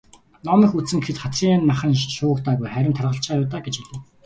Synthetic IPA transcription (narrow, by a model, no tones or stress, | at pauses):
nɔmə̆xut͡sɘ̆ŋkʰĕt̪χat̪riːŋnmaχə̆nʃʊːɣə̆kt̪aːɣujχæɾʲɪ̆nt̪ʰarʁə̆ɬt͡ɕaːjʊːt̪aːɡet͡ɕit̪ɘ̆